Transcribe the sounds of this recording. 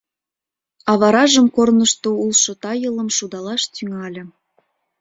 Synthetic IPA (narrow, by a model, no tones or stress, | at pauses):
ɑβɑɾɑʒəmkornəʃt̪oulˠʃot̪ɑjələ̆mʃud̪ɑlɑʃt̪yŋɑlʲɤ̆